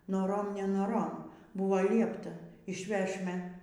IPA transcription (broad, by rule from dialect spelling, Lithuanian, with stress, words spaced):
noːˈroːm nʲɛnoːˈroːm ˈbʊʋoː ˈlʲiɛptɐ ɪʃʲˈʋʲæːʃʲmʲɛ